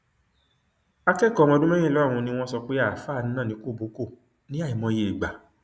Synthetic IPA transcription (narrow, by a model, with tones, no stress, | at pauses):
a˧kɛ˦˨kɔ˨˦mɔ̃˧˦dũ˦mɛ̃˦ẽ˦˨lɔ˨˦a˦˨w̃ɔ̃˧nĩ˧˦w̃ɔ̃˦sɔ˧k͡pe˦a˦˨faː˦˨n̩˦nãː˦˨nĩ˧˦ko˦˨bo˨˦ko˦˨ | nĩ˦a˦˨i˨mɔ̃˧je˨ɡ͡ba˨